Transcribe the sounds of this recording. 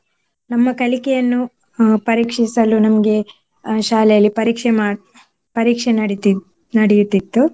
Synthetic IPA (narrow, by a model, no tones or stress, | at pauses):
nɐmːɐkɐlikɛjɐnːu | pɐɾiːkʂisɐlunɐmɐɡe̞ | ʃaːlɛjɐlːipɐɾiːkʂɛma | pɐɾiːkʂenɐɽ | nɐɽɛjut̪ːit̪ːu